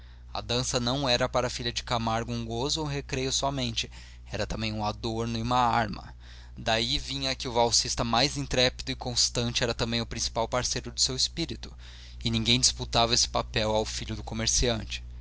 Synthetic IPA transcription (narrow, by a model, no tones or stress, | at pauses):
ɐ̰d̪ɐ̃sɐnɐ̃w̃ɛɾɐpaɾɐfiʎɐd͡ʒɪkamaɾɡʊũɡozʊũɦekɾejʊsɔmẽnt͡ʃɪ | ɛɾɐt̪ɐ̃mbẽj̃ũad̪oɾnʊɪũmɐaɾmɐ̰ | d̪aivĩɲɐkɪʊvawsist̪ɐmajzĩnt̪ɾɛpid̪ʊɪkõst̪ɐ̃nt͡ʃɪɛɾɐt̪ɐ̃mbẽj̃ʊpɾĩsi̥pawpaɾsejɾʊd̪ʊsewɪspiɾit̪ʊ̥ | ɪnĩŋɡẽj̃d͡ʒɪsput̪avɐesɪ̥papɛwawfiʎʊd̪ʊkomeɾsiɐ̃nt͡ʃɪ̥